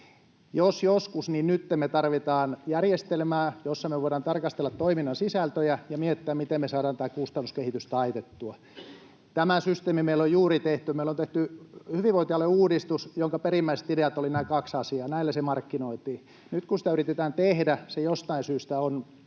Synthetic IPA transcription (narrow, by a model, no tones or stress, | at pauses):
josjoskusninnyt̪ːemmet̪ɑrʋit̪ɑːnjærjest̪elmæːjosːɑmeʋoiɾɑːnt̪ɑrkɑst̪elːɑt̪t̪oiminːɑnsisælt̪øjæjɑmiet̪ːeæmmit̪emesɑːɾɑːnt̪æːkust̪ɑnːuskehit̪yst̪ɑit̪et̪ːuɑ | t̪æmæsyst̪eːmimeilojjuːrit̪eht̪ymeilont̪eht̪yhyʋiʋoˑint̪iɑlːeuːdist̪usjoŋkɑperimːæise̥t̪ideæt̪olinæːkɑksɑsiɑːnæilːæsemɑrkːinoit̪iː | nyt̪kunsi̥t̪æyrit̪et̪æːnt̪ehdæsejost̪ɑinsyːst̪æon